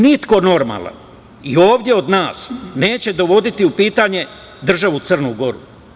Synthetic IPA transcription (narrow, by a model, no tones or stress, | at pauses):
nit̪ko̞no̞ɾma̰la̰n | io̞ːʋd̪je̞o̞d̪naːsne̞ːt͡ɕe̞d̪o̞ʋo̞d̪it̪iupiːt̪aɲe̞ | d̪r̩ʒaʋut̪sɨrnuɡo̞ɾṵ